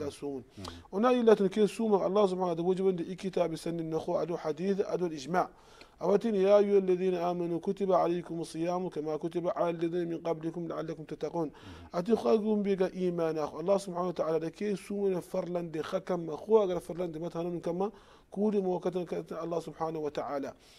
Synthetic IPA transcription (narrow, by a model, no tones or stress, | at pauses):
lasumunʔunajilːat̪unkesuːmaʔɑ̰lˤːɑːhs̬ubħaːnad̪abad͡ʒiband̪iʔikit̪aːbsanːinːaxwaʔad̪uħad̪iːθaʔa̰d̪ualʔid͡ʒmaːʕ | ʔabat̪injaʔjualːaðiːnaʔaːmanukut̪ibaʕaleːkumsˤɨjaːmukamakut̪ibaʕalalːaðiːnamɪnqablikumlaʕalːakumt̪at̪ːaquːn | ʔat̪̬ixaɡumbiɡaʔiːmaːnaxʔɑlˤːɑːhsubħaːnawat̪aʕaːlad̪akesumanafaɾˤland̪ixakamːaxuwʔaɡalafɑɾˤland̪imat̪hanuminkama | kudimawakat̪̬akat̪ɑlˤːɑːhsubħaːnawat̪aʕaːla